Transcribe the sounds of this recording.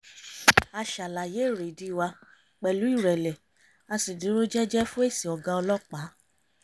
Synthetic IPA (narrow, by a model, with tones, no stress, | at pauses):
a˧ʃa˨la˨je˨˦˨ɾe˨di˧˦˨wa˧ | k͡pɛ˨lu˨˦i˦˨ɾɛ˨lɛ˨ | a˧si˨dĩ˨˦ɾo˦d͡ʒɛ˦d͡ʒɛ˦fũ˦e˦˨si˨ɔ˨ɡã˧ɔ˧lɔ˦k͡pa˨˦